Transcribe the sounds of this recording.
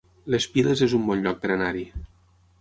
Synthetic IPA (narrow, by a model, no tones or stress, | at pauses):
lespilezezumbɔnʎɔk̚d̪eɾenaɾi